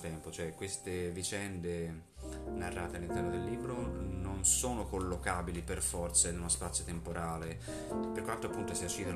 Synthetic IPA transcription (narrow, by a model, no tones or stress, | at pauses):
t̪ɛmpot͡ʃoɛkwest̪evit͡ʃɛnd̪e | narːaːt̪ealːint̪ɛrnod̪elːiːbɾononsoːnokolːokaːbiliperfɔrt̪sanunospat̪sːjot̪empoɾʔaːle | pːerkwant̪oapːunt̪osiut͡ʃːiːd̪o